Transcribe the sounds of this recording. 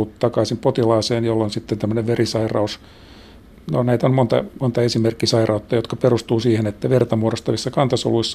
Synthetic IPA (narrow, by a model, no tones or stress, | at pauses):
utt̪ɑkɑisimpot̪ilɑːseːnjolːonsit̪ːent̪æmːøneʋʋerisɑirɑ̰us | nonæit̪ommont̪ɑ̰mont̪ɑesimerkːisɑirɑut̪ːɑjot̪kɑperust̪uːsiːhenet̪ːæʋert̪ɑmuoɾost̪ɑʋisːɑkɑnt̪ɑso̰luisː